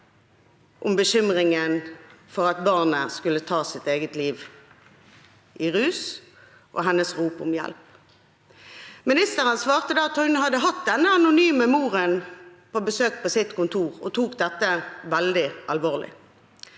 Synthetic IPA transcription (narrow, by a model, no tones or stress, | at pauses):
ʔʊmbəɕʏmʁɪŋənfɔʁɑt̪̚bɑʁnəskʉlət̪ʰɑːsɪt̪eːɡət̪liːʋ | ʔɪʁʉːs | ʔɔ̰ɦɛnːəsʁuːpʊ̰mjɛ̰lp | mɪnɪst̪əʁənsʋɑːʁt̪əd̪ɑːt̪ʰːɔʏnəhɑd̪əɦɑt̪̚d̪ɛnːəɑnʊnyːməmuːʁənpʰoːbəsøːk̚pʰɔsɪt̪kʊnt̪ʰuːʁɔt̪ʰuːk̚d̪ɛt̪ːəʋɛld̪ɪɑlʋoːʁlɪ̰